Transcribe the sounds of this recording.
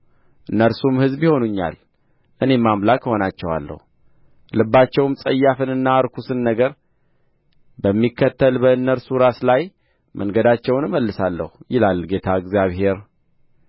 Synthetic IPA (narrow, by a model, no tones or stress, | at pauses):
ʔɨnːəɾsumhɨzbiho̞nuɲːa̰l | ʔɨne̞mːamlakho̞nat͡ʃːɛwa̰lːə̰hu | lɨbːat͡ʃːɛwmsʼəjːafɨnɨnːaɾkʰusɨnːəɡəɾ | bəmːikʰːət̪ʰːəlbəɨnːəɾsuɾaslaj | mʔəŋɡəd̪at͡ʃːɛwnɨməlːɨsalːə̰hujɪlalɡe̞t̪ʰaɨɡzjaβhe̞ɾ